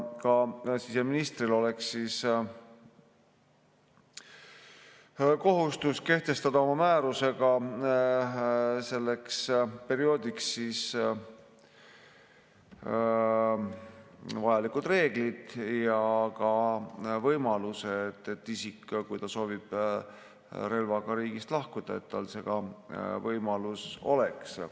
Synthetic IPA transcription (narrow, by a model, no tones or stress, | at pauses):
kɑsise̞minist̪rilo̞le̞ksːiːs | ko̞ɦust̪uske̞ht̪e̞st̪ɑd̪̥ɑo̞mɑmæːɾuse̞ɡ̥ɑ | se̞lːe̞kspe̞ɾio̞ːd̪iksːis | vɑjɑlikːud̪re̞ːɡ̥lid̪̥jɑkɑvɤjmɑluset̪et̪ːisikːkujt̪ɑso̞ːvib̥ | ɾe̞lvɑɡ̥ɑɾiːɡist̪lɑhkud̪̥ɑe̞̰t̪t̪ːɑ̰lse̞ɡ̥ɑvɤjmɑluso̞̰le̞ks